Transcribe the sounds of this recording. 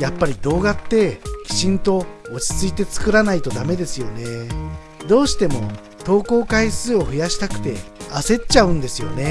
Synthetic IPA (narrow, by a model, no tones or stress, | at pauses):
japːaɾʲid̪o̞ːɡat̪ːe̞kʲi̥ɕĩnt̪o̞ːt͡ɕi̥t͡sɨit̪e̞t͡sɨ̥kɯ̟ɾanait̪o̞d̪ame̞d̪e̞sɨjo̞ne̞ | d̪o̞ːɕi̥t̪e̞mo̞̰ | t̪o̞ːko̞ːkaisɨːo̞ɸɯ̟jaɕi̥t̪akɯ̟̥t̪e̞ase̞t͡ɕaɯ̟̃nd̪e̞sɨjo̞̰ne̞